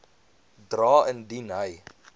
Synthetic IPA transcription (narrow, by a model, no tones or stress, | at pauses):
drɑːəndinɦəj